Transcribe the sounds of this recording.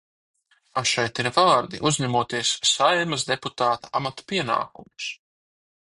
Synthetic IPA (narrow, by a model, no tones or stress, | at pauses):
aʃɛjt̪iɾvaːɾd̪ḭʔuzɲæmuɔt̪iɛsːajɛmɐzd̪eput̪aːt̪ḁamat̪ḁpiɛna̰ːkṵmu̥s